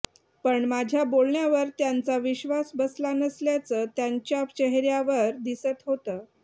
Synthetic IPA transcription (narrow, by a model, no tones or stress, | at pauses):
pəɳmad͡ʑʱjabolɳjaʋəɾt̪jant͡saʋiɕʋasbəslanəsljat͡səːt̪jaɲt͡ɕjat͡ɕəɦɾjaʋəɾd̪isət̪ɦot̪əː